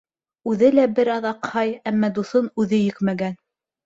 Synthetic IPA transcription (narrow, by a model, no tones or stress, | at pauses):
ʉðɘlæbɘɾɑðɑqhɑjæmːɑd̪uθonʉðɘjɘkmæɡæn